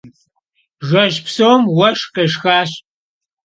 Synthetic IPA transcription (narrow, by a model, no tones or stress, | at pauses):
ʒɐʒpʰsowmwɐʂqeːʂxaːɕ